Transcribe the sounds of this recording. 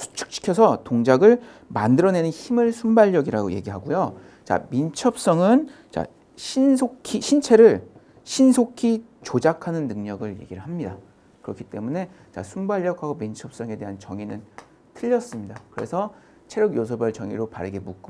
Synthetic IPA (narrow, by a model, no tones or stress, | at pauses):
sʰu̥t͡ɕʰɯ̥k̚ɕ͈ʰi̥kʰjʌsʰʌtoŋd͡ʑaɡɯɭ | ma̰ndɯɾʌne̞nɯnçimɯɭsʰumbaʎːʌɡiɾaɡo̰je̞̰ɡiɦaɡujo | t͡ɕa̰mint͡ɕʰʌp̚s͈ʌŋɯn | t͡ɕa̰ | ɕʰinsʰokʰiɕʰint͡ɕʰe̞ɾɯɭ | ɕʰinsʰokʰi | t͡ɕod͡ʑakʰanɯnːɯŋɲʌɡɯɭje̞̰ɡiɾɯɭɦamɲida | kɯɾʌkʰi̥t͈e̞mune̞ | t͡ɕa̰sʰumbaʎːʌkʰaɡomint͡ɕʰʌp̚s͈ʌŋe̞de̞ɦant͡ɕʌŋinɯn | tʰɯʎːʌs͈ɯmɲidakɯɾe̞sʰʌ | t͡ɕʰeɾjʌɡjos̬ʰʌbaɭt͡ɕʌŋiɾopaɾɯɡe̞muk͈